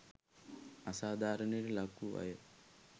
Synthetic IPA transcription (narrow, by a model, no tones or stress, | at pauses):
ɐsaːd̪ʱaːɾɐniɾilɐkːuʋɐ̰jɐ